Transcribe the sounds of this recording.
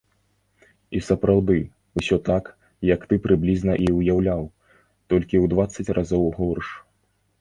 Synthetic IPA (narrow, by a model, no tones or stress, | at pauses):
isɐpɾawd̪ɨ | usʲɔt̪ak | jɐkt̪ɨpɾɨblʲiznɐʔiwjawlʲaw | t̪ɔlʲkʲiwd̪vat̪sːɐt͡sʲrʔazɔwɣɔrʂ